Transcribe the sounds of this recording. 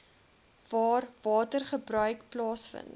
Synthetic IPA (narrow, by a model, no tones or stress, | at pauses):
vɑːrvɑːtərχəbrœɥkplɑːsfə̰nt